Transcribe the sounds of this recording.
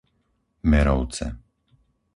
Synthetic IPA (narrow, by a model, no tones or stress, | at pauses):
mɛɾɔʊt͡sɛ̰